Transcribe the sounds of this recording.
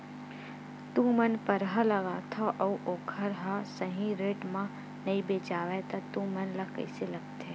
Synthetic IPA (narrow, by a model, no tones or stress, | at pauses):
t̪umɐnpɐɾɦalɐɡaːt̪ʰaʔɐuʔoːkʰəɾɦasɐɦĩɾeːʈmã | nɐĩbeːt͡ʃaːʋet̪ɐt̪ũmɐnlɐkɐ̰ɪselɐɡt̪ʰe